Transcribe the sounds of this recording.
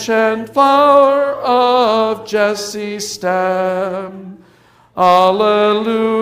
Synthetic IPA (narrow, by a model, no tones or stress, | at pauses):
ʃɨ̃nflaʊə˞ʌvd͡ʒɛsistæ | m | alˠəlu